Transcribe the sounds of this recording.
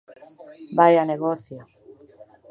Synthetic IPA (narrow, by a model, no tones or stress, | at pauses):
bajaneɣoθjo